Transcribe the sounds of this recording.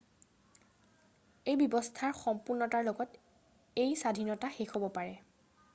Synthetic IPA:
ejbjɔbɔstʰaɹxɔmpuɹnɔtaɹloɡɔt | ejsadʱinɔtaxexobɔpaɹɛ

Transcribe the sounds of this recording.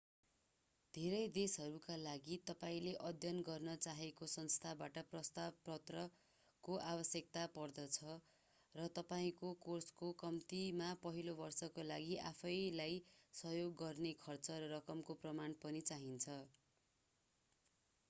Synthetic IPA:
d̪ʱeɾʌjd̪esɦʌɾukalaɡit̪ʌpaĩleʔʌd̪ʱjʌnɡʌrnʌt͡saɦekosʌnst̪ʰabaʈʌprʌst̪abprʌt̪rʌ | koʔabʌsjek̚t̪apʌrd̪ʌt͡sʰʌ | rʌt̪ʌpaĩkokorskokʌmt̪imapʌɦilobʌrsʌkolaɡiʔapʰʌjlajsʌjoɡːʌrnekʰʌrt͡sʌɾʌɾʌkʌmkoprʌmanpʌnit͡saɦint͡sʰʌ

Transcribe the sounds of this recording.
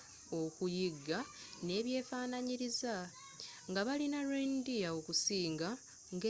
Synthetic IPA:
o̞kujiɡːane̞ːβje̞ːfaːnaɲiɾiza | ŋɡaβalinaɾendijao̞kusiːŋɡa | ŋɡe

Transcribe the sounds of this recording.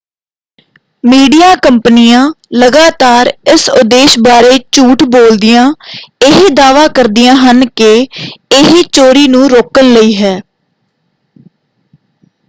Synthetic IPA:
miːɖijaːkəmpnɪjãː | ləɡaːt̪aːɾɪsʊd̪eːʃbaːɾeːt͡ʃuːʈboːld̪ɪjãːɪɦed̪aːʋaːkəɾd̪ɪjãːɦənkɪɪɦiːt͡ʃoːɾiːnũːɾoːkənləiːɦɛː

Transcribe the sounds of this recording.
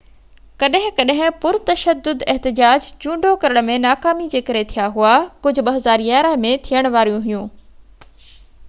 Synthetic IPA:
kɐɗɦɪ̃kɐɗɦɪ̃pʊɾt̪ɐʃəd̪ːʊd̪ɛɦt̪ɪd͡ʑaːd͡ʑt͡ɕũːɳɖʱokɐɾəɽ̃̆mẽnaːkaːmid͡ʑeːkɐɾet̪ʰijaɦuakʊd͡ʑʱʊ̆ɓɐɦɐzaːɾjaːɾəɦmẽt̪ʰijəɽ̃ʋaːɾjũɦijũː

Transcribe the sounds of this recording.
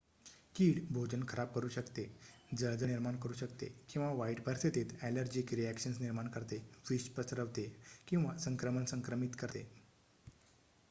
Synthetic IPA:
kiːɽbʱod͡ʑənkʰəɾab̚kəɾuːɕəkt̪ed͡zəɭd͡z̪əniɾmaɳkəɾuːɕəkt̪ḛkĩw̃ʋaʋaiʈbʱəɾset̪eːt̪æləɾd͡ʑiːkɾiækɕənsniɾmaɳkəɾt̪eʋiɕpɾəsɾəʋt̪ekĩw̃ʋasəŋkɾəmənsəŋkɾəmit̪kəɾt̪ḛ

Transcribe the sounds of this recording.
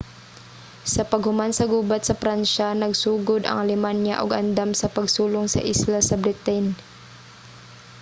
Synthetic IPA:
sɐpɐɡhʊmansɐɡuːbat̪̚sɐpɾanʃanɐɡsuːɡʊd̪ɐ̰ŋʔalɪmanja̰ʔʊɡɐnd̪amsɐpɐɡsuːlʊŋsɐ̰ʔislasɐbɾɪt̪ɛn

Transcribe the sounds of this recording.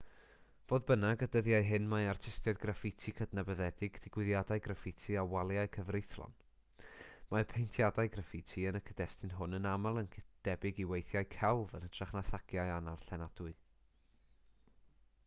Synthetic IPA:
v̥oːðbənaɡədəðjaɨɦɨnmajartʰɪstɛdɡrafɪtʰikʰədnabəðɛdɪɡd̥ɪɡ̥wɪðjadaɨɡrafɪtʰiawalˠjaɨkʰəvrɪθlˠɔ̰n | mapʰejntʰjadaɨɡrafɪtʰiənəkʰəd̥ɛstɪnɦʊnənamalˠənkʰd̥ɛbɪɡiwejθjaɨkʰɛlˠvənəd̥raχnaθaɡ̥jaɨanarɬɛnad̥ʊɨ

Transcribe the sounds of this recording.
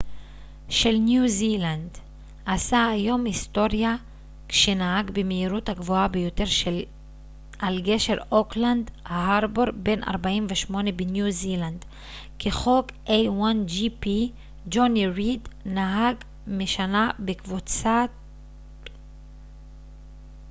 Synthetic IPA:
ʃelnjuziland̪ | ʔasaːjo̞mist̪o̞ʁja | kʃenaɦaɡbemeiʁut̪haɡvoabejo̞t̪e̞ʁʃel | ʔalɡe̞ʃeʁo̞kland̪hhaʁboʁbe̞nʔa̰ʁbaimveʃmo̞ne̞benjuziland̪ | keχo̞kʔejwand͡ʒipi | d͡ʒoniʁid̪naɦaɡ | meʃanabekvut͡sa

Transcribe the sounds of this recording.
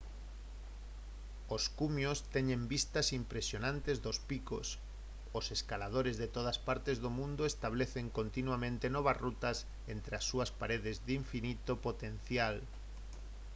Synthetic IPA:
oskumjost̪ɛɲẽmbist̪asimpɾesjonãnt̪ezðospiko̰s | oseskalað̞oɾezðet̪oðɐspaɾt̪ezðomũnd̪oest̪aβ̞leθeŋkont̪inwamẽnt̪enɔβazrut̪ɐs | ent̪ɾeasːuɐspaɾeðezðiɱfinit̪opot̪en̟θjal

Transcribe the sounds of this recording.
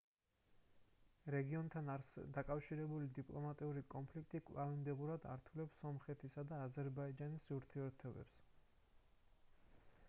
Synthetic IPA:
ɾɛɡiɔnt̪ʰanɾsd̪akʼafʃiɾɛbulid̪ipʼlˠɔmat̪ʼiuɾikʼɔnpʰlikʰt̪ʼikʼlˠavimd̪ɛbuɾad̪aɾt̪ʰulɛpsɔmχɛt̪ʰisad̪aːzɛɾbaid͡ʒanisuɾt̪ʰiɛɾt̪ʰɔbɛ̰ps

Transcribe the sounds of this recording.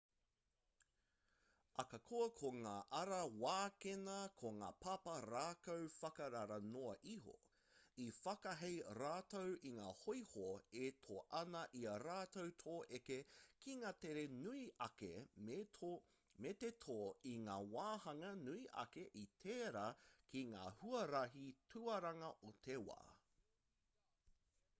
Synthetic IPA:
ʔɐkɐkʰoɐkʰoŋaːʔɐɾɐwaːkenɐkʰoŋa̰ːpʰɐpɐɾaːkowfɐkɐɾɐɾɐnoɐʔiɦo̰ | ifɐkɐɦejɾaːtowʔiŋaːhojhoetʰoʔɐnɐʔiɐɾaːtowt̪ʰoːʔekekiŋaːteɾenuiɐkḛ | met̪etʰoːiŋaːwaːhɐŋɐnuiʔɐ̰keʔitʰeːɾaːkʰiŋa̰ːhuɐɾɐɦitʰuɐɾɐŋɐʔot̪ʰewa̰ː

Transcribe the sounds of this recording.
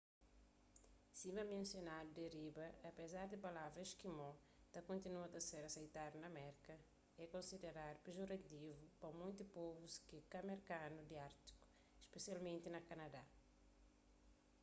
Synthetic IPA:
simɐmẽnsjonad̪ud̪eɾibɐːpezaɾd̪ipɐlavɾɐeʃkimɔ̃ | t̪ɐkõnt̪inuɐt̪ɐseɾɐsejt̪ad̪unɐmɛɾkɐ | ɛkõnsid̪eɾaɾpɾeʒoɾɐt̪ivupɐmũj̃t̪upovuskikɐmeɾkanud̪iaɾt̪i̥ku̥ | iʃpesialmẽnt̪inɐkɐnɐd̪a

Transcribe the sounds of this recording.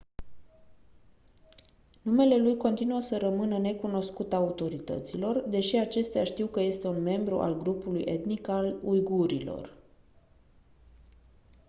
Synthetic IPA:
nume̞le̞lujko̞nt̪inuəsəɾəmɨnəne̞kuno̞skut̪aut̪o̞ɾit̪ə̰t̪silo̞rd̪e̞ʃiat͡ʃe̞st̪eaʃt̪iwkəje̞st̪e̞unme̞mbɾṵʔa̰lɡɾupulujʔe̞t̪nikalujɡuɾilo̞̰r

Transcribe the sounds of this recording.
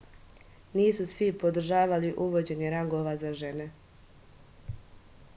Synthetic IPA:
niːsusʋipod̪ɾ̩ʒaːʋaliʔuʋo̞d͡ʑe̞niɾaŋɡo̞ʋazaʒe̞ne̞

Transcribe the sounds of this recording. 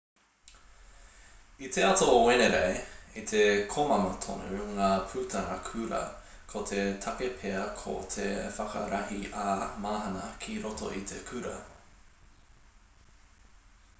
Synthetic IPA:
it̪ʰeɐt̪oweneɾejit̪ʰekʰomɐmɐt̪ʰo̰nʉŋaːpʰʉt̪ʰɐnɐkʰʉɾɐ̰ | kʰot̪ʰet̪ʰɐkepʰeɐkʰo̰t̪ʰefɐkɐ̰ɾɐhiʔamaːɦɐnɐkʰiɾoto̰ʔit̪ʰekʰʉɾɐ̰

